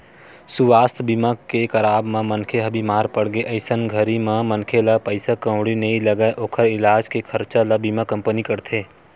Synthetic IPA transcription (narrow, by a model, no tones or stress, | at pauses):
suʋaːst̪ʰbimakekəɾaːbmãmənkʰeɦəbimaːɾpəɽɡeʔəɪsənɡʱəɾimãmənkʰelapəɪsakə̃wɽineiləɡaeʔoːkʰəɾɪlaːd͡ʒkekʰəɾt͡ʃaləbimakə̃mpənikəɾt̪ʰeː